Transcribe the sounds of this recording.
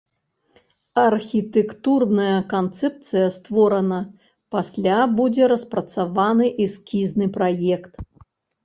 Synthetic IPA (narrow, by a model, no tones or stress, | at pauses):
ɐrxʲit̪ɛkt̪urnɐjɐkant̪sɛp̚t̪sɨjɐst̪vɔɾɐnɐ | pasʲlʲabud͡zʲɛɾɐspɾɐt̪savanɨʔiskʲiznɨpɾajɛkt̪